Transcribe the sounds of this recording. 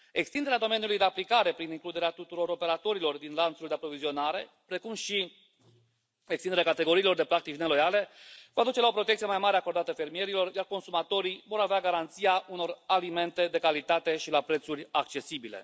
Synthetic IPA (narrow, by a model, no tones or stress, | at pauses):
e̞kst̪ind̪eɾead̪o̞me̞nijulujd̪e̞aplikaɾe̞pɾiniŋklud̪e̞ɾeat̪ut̪uɾo̞ɾo̞pe̞ɾat̪o̞ɾilo̞rd̪inlant̪suld̪eapɾo̞vizio̞naɾe̞ | pɾe̞kumʃi | ekst̪ind̪eɾakat̪e̞ɡo̞ɾiːlo̞rd̪e̞pɾak̚t̪it͡ʃne̞lo̞jale̞voad̪ut͡ʃe̞lao̞pɾot̪ek̪̚sijemajmaɾe̞ako̞rd̪at̪əfe̞ɾmije̞ɾilo̞rjarko̞nsumat̪o̞ɾivo̞ɾaveaɡaɾant̪siaʔuno̞ralime̞nt̪e̞d̪e̞kalit̪at̪e̞ʃilapɾe̞t̪suɾʲak̚t͡ʃe̞sibilḛ